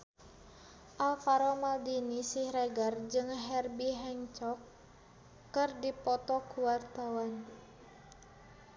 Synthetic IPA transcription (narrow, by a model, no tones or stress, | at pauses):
ʔalfaɾɔmaldinisihɾɛɡard͡ʒɨŋɦɛrbiɦɛŋt͡ʃɔkː | ɨrdipɔt̪ɔkuwart̪awan